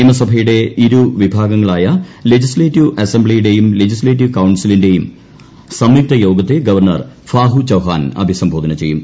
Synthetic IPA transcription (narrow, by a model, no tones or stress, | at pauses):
imɐsɐbʱɐjuɽe̞iɾuʋibʱaːɡɐŋːɐɭaːjɐle̞d͡ʑisleːtːiʋɐsembɭijuɽe̞jumle̞d͡ʑisleːt̬ːiʋkɐwɳsilinde̞jum | sɐmːik̚t̪ɐjo̞ːɡɐt̪ːeɡɐʋɐrɳɐ̰rfaːɦut͡ɕɐwɦa̰ːnɐ̰bʱisɐmbʱo̞ːd̪ɐnɐt͡ɕe̞jːum